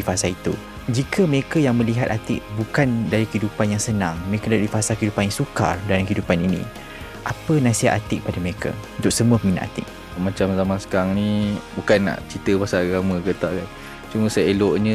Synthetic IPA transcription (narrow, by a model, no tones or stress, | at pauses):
ifasait̪ṵ | d͡ʒikʰəməɾekajaŋmə̃liɦat̪at̪ɪʔ̚bukandaɾikəidupanjaŋsənãŋməɾekadaɾifasakəidupanjaŋsuka̰rdalaŋkəidupaninḭ̃ | ʔapənãsiɦaʔ̪at̪ɪk̚padaməɾekʰa̰unt̪ʊk̚səmũəpəminã̰ʔa̰t̪ɪ̰k̚ | mãt͡ʃamzamãnsə̥kaɾaŋnĩbukanːa̰ʔt͡ʃit̪əpasaaɡamə̃ɡət̪aʔɡan | t͡ʃuməsaelɔʔɲə̃